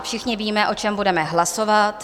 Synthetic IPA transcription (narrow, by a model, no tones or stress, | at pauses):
fʃɪxɲɪviːmɛʔo̞t͡ʃɛmbudɛmɛɦlaso̞vat̪